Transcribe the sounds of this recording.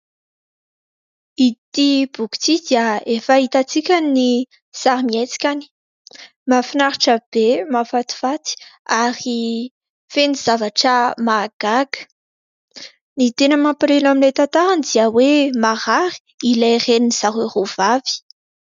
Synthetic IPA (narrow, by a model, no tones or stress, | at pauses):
it̪ibuku̥t͡sid̪iaefait̪at͡sikʲanni | z̥aɾimiajt͡si̥kʲani̥ | mafinaɾiʈ͡ʂəb̥emafat̪i̥fat̪i̥aɾi | feniz̥avaʈ͡ʂəmaɡ̥aɡə̥ | nit̪enəmapɾelamilajt̪ant̪aɾand̪iəwemaʁaɾi̥ilajreniniz̥aɦeruv̥avi̥